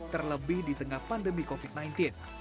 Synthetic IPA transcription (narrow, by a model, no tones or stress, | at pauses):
t̪ərləbɪhdit̪əŋahpandəmikofit̪̚najnt̪in